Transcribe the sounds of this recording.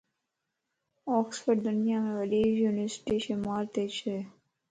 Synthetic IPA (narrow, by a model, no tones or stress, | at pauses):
ɔksfəɖd̪ʊnjamẽʋəlid͡ʒjunəsʈiʃənmaːɾt̪et͡ʃʰe